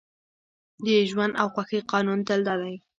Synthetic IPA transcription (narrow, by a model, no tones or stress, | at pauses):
d̪əʒwand̪awxwaxəjqɑnunt̪ald̪ɑd̪aj